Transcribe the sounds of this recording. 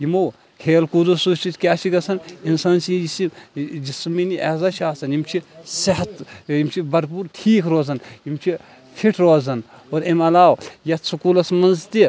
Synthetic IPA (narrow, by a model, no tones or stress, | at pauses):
jimow | kʰeːlkud̪osut͡ʃit̪kʲaːt͡ʃʰiɡɐsɐninsaːnsid͡ʒisid͡ʒisminiʔeːzat͡ʃʰaːsɐnimt͡ʃʰisɐɦɐt̪imt͡ʃʰibɐɾpuːɾʈʰiːkʰɾoːzɐnimt͡ʃʰi | pʰiʈʰɾoːzɐn | oːɾemɐlaːwjɐt̪sukuːlɐsmɐnzt̪i